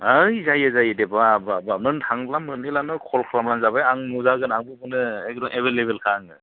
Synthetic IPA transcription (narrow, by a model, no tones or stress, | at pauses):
ajzajazajdebababamɯntʰaŋblamɯnilanɯkʰɔlkʰlamlanzabajaŋnuzaɡɯnaŋbɯbɯnɯek̚dɔŋʔeβelebelkʰaŋɯ